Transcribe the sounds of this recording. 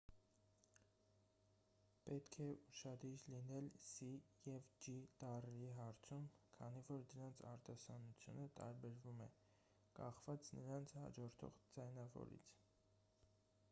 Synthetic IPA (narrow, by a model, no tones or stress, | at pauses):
pɛt̪kʰɛuʃɑd̪iɾlinɛlsijɛvd͡ʒit̪ɑrɛiɦɑɾt͡sʰumkʰɑnivɔɾd̪əɾɑnt͡sʰɑɾt̪ɑsɑnut͡sʰjṵnət̪ɑɾbɛɾvumɛ̰ | kɑχvɑt͡snəɾɑnt͡sʰhɑ̰d͡ʒɔɾt̪ʰɔ̰ʁd͡zɑjnɑvɔ̰ɾḭt͡sʰ